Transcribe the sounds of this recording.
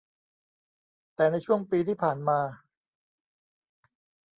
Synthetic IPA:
t̪ɛː˨˩na˧jt͡ɕʰu˥˩əŋpiː˧t̪ʰiː˥˩pʰaː˨˩nmaː˧

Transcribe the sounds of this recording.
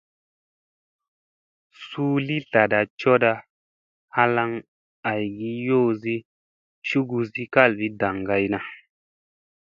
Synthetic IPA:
suː˦li˦ta˨da˨t͡ʃɔ˦da˧ | ha˦la˧˦ŋ | a˨jɡi˦jo˦˨zi˦ | t͡ʃu˦ɡu˧zi˦ka˦˨lvi˦da˨ŋɡa˨jna˨

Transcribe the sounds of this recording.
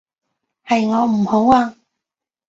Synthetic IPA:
hɐ˨jŋɔː˨˧m̩˨˩ho˨˥waː˧

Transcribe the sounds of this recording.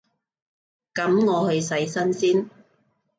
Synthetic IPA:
kɐ˨˥mŋɔː˨˧hɵ˧ɥsɐ˨˥jsɐ˥nsiː˥n

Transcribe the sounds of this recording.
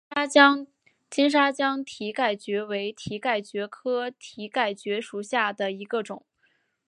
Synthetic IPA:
ŋ | t͡ɕi˥nʂ̬a˥t͡ɕjɑ˥ŋt̪ʰi˧˥ka˥˩ɪt͡ɕɥɛ˧˥we˧˥ɪt̪ʰi˧˥ka˥˩ɪt͡ɕɥɛ˧˥kʰɤ˥t̪ʰi˧˥ka˥˩ɪt͡ɕɥɛ˧˥ʂu˨˩ɕja˥˩d̪ə˩i˧˥ɡə˧ʈ͡ʂʊ̰˨˩˦ŋ

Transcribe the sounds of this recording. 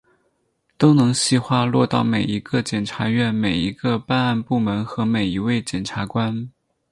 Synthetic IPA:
t̪o˥ʊnɤ˧˥ŋɕi˥˧xwa˥lwɔ˥˧t̪ɑ˥˩ʊme˨˩ɪi˧˥ɡə˧t͡ɕjɛ˨˩nʈ͡ʂʰa˧˥ɥɛ˥˩nme˨˩ɪi˧˥ɡə˧pa˥˧na˥˧npu˥˩mə˧˥nxɤ˧˥me˨˩ɪi˧˥we˥˩ɪt͡ɕjɛ˨˩nʈ͡ʂʰa˧˥kwa˥n

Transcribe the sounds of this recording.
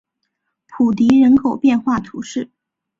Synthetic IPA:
pʰu˨˩t̪̬i˧˥ɻə˧˥nkʰo˨˩ʊpjɛ˥˧nxwa˥˩t̪ʰu˧˥ʂɻ̩˥˩

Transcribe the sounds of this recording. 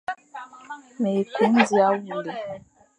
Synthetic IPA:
me˨ku˦m̩˦zi˦a˦wu˨le˨

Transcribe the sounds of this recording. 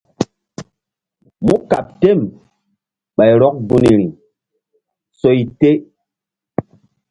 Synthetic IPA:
mu˦ka̰˨p̚te˦˨m | ɓa˨jɾɔ˦k̚bu˦ni˨ɾi˨ | so˦i˦te˦

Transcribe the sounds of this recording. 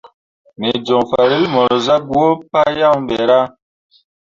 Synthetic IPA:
me˨d͡ʒɔ˨ŋfa˨ɾi˦lmɔ˨ɾɔ˨za˦ɡwo˦pa˦ja˦wm˦bɛ˨ɾa˦

